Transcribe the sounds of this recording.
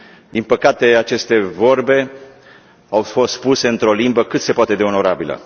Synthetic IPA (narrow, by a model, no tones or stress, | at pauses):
d̪inpəkat̪e̞at͡ʃe̞st̪e̞vo̞rbe̞ | awfo̞st̪puse̞ɨnt̪ɾo̞limbəkɨt̪se̞poat̪e̞d̪e̞o̞no̞ɾabilə̰